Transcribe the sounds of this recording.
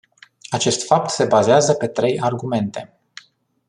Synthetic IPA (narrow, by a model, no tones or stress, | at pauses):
at͡ʃe̞st̪fap̚t̪se̞bazeazəpe̞t̪ɾe̞jarɡume̞nt̪e̞